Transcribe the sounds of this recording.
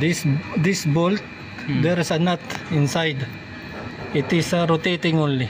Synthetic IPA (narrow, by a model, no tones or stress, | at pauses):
d̪isd̪ɪsbolt̪̚ | d̪ɛɾsɐnat̪ɪ̃nsajd̪ | ɪt̪ɪsɾot̪et̪ɪ̃ŋõnli